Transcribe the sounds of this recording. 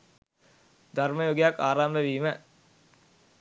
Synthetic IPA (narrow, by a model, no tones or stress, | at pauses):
d̪ʱarməjoːɡejakːaːɾaːmʋəʋiːmə